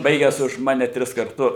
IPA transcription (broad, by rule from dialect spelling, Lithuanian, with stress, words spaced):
ˈbɐɪɡʲæːs ʊʃ ˈmɑːnʲɛ ˈtʲrʲɪs kɐrˈtʊ